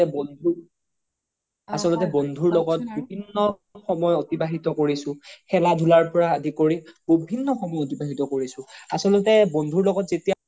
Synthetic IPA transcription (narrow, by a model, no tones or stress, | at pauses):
bndʱu | asɔlɔtɛbɔndʱuɹlɔɡɔt̚bibʱinːɔ | xɔmɔjotibaɦitɔkoɹisʊ̃xɛladʱulaɹpɔɹaːdʱikoɹib̥obʱinːɔxɔmɔjotibaɦitɔkoɹisʊ̃asɔlɔtɛbondʱuɹlɔɡɔtzetija